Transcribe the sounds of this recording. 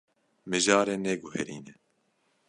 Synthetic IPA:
mɨʒɑːɾeːnɛɡʊhɛɾiːnɛ

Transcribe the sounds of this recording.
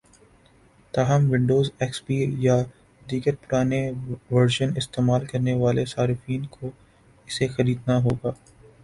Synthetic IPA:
t̪aːɦəmʋɪ̃ɳɖoːzɛːksbiːja | d̪iːɡəɾpʊɾaːneʋɐɾʃənɪst̪eːmaːlkɐɾneʋaːlesaːɾɪfiːnkʰo | ɪsexɐɾiːd̪naɦoːɡaː

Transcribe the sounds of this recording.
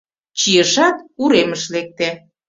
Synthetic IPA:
t͡ɕijəʃɑt̪uɾeməʃlek̚t̪e

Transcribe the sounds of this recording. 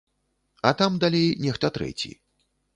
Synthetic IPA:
ɐt̪amd̪alʲejnʲɛxt̪ɐt̪ɾɛ̰t͡sʲḭ

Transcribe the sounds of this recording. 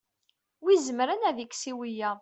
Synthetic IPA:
wizəmɾænæðikːsiwijæ

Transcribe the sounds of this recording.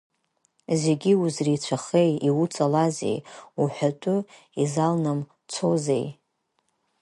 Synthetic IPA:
ze̞ɡʲiuzrit͡ʃʷʰaχejiwut͡sʼalazḛjuħʷᶣatʼʊ | izalnɨm | t͡sʰo̞zḛj

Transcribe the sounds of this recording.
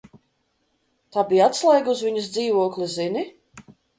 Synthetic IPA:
t̪aːbijat̪slˠajɡuzvʲiɲusd̪ziːvuɔklizini

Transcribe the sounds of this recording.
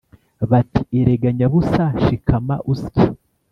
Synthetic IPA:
βati̥eɾeɡaɲaβusaʃikʰama̰ʔusci

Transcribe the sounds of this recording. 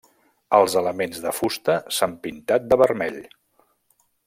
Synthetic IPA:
əlˠzələmenzðəfust̪əsampint̪at̪̚d̪əβəɾmɛʎ

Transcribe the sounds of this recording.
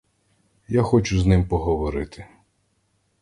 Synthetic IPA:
jaxɔt͡ʃʊznɪmpɔɦɔʋɔɾɪt̪ɪ̥

